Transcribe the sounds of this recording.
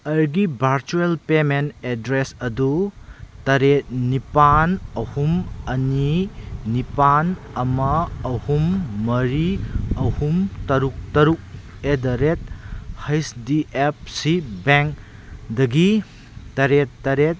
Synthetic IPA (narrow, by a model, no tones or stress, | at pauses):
ɐɾɡibʱɐɾt͡ʃuelpementedɾesɐdutɐɾet̚nipanɐhumɐninipanɐmɐːhumːɐɾiɐhumtɐɾuk̚tɐɾuk̚edɐɾet̚hɐjsdiʔep̚sibeŋk | dɐɡi | tɐɾetːɐɾet̚